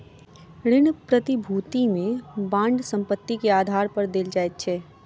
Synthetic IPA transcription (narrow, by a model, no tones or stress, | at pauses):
ɾɪnpɾət̪ibʱuːt̪imẽbãːɳɖsɐ̃mpət̪ːikeaːd̪ʱaːɾpɐɾd̪eld͡ʒaːet̪̚t͡ʃʰɛː